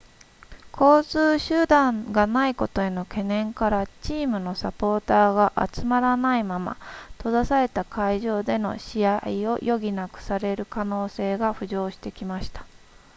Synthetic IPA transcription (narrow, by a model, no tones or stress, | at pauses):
kʰo̞ːt͡sɨːɕɨːd̪ãŋɡanaiko̞t̪o̞e̞no̞ke̞nẽ̞ŋkaɾat͡ɕiːmɯ̟no̞sapo̞ːt̪aːɡaʔa̰t͡sɨmaɾanaimama̰t̪o̞d̪asaɾe̞t̪akʰaiʑo̞ːd̪e̞no̞̰ɕiaio̞̰jʔo̞ɡʲinakɯ̟̥saɾe̞ɾɯ̟kano̞ːse̞ːɡaɸɯ̟ʑo̞ːɕi̥t̪e̞kʲimaɕi̥t̪ḁ